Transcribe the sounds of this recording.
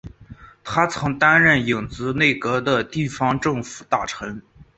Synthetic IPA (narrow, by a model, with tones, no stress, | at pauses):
t̪ʰa˥t͡sʰɤ˧˥ŋt̪a˥nɻə˥˩ni˨˩ŋt͡sɹ̩˧˥ne˥˩ɪkɤ˧˥d̪ə˧t̪i˥˩fɑ˧˥ŋʈ͡ʂɤ˥˩ŋfu̥˨˩t̪a˥˩ʈ͡ʂʰɤ˧˥ŋ